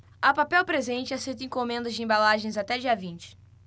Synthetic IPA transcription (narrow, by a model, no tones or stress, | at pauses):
ɐpapɛwpɾezẽnt͡ʃɪasejt̪ẽkõmẽnd̪ɐzd͡ʒɪẽbalaʒẽj̃zat̪ɛd͡ʒiɐvĩnt͡ʃɪ̥